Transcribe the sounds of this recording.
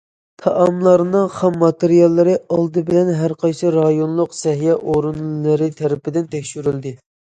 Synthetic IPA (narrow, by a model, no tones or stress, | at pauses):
t̪ʰɑʔɑmlˠɑɾnɨŋχɑmːɑt̪eɾijɑlˠːɨɾɨʔɑlˠd̪ɨbɪlɛnɦæɾqʰɑjsɨɾɑjonlˠʊqsɛɦjɛʔoɾunlɨɾɨt̪ʰɛɾɪpɪd̪ɪnt̪ʰɛkʲʃyɾyld̪ɪ